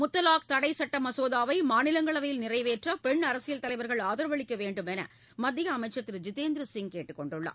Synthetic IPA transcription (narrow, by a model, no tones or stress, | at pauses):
mʊt̪ːɐlaːk̚t̪ɐɽɐɪsɐʈːɐmɐsoːðaːʋɐɪmaːnɪlɐŋɡɐɭɐʋɐjɪlnɪrɐɪʋeːʈrɐpɛɳɐɾɐsɪjɐlt̪ɐlɐɪʋɐɾɣɐɭaːðɐɾʋɐɭɪkːɐʋeːɳɖɯmɛnɐ̰ | mɐd̪ːɪɣɐːmɐɪt͡ʃːɐt̪ːɪɾd͡ʒɪt̪eːnd̪ɾɯsɪŋkeːʈːɯkːɔɳɖɯɭːɐ̰